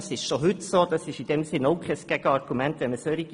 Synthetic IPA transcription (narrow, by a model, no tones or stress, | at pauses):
sɪʃʃoɦʏtsoːd̥̪ɑsɪʃid̥ɛmsɪnoʊkʰɛsɡ̥ɛɡ̥əɑrɡ̥umɛnt̪ʋɛnməsøɾiɡ